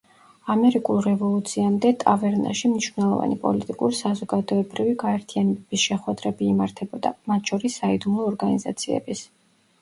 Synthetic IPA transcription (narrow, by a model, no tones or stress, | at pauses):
amɛɾikʼulˠɾɛvɔlˠut̪sʰiamd̪ɛt̪ʼavɛɾna̰ʃimniʃvnɛlˠɔva̰nipʼɔ̰lit̪ʼikʼuɾisazɔɡad̪ɔɛbɾiviɡaɛɾt̪ʰianɛbɛb̥isʃɛχwɛd̪ɾɛbiːmaɾt̪ʰɛbɔd̪a̰mat̪ʰʃɔɾisːaid̪umlˠɔːɾɡaniza̰t̪sʰiɛ̰bis